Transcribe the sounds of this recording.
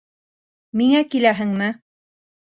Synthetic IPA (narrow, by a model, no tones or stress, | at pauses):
miŋækilæɦɘ̆ŋmɘ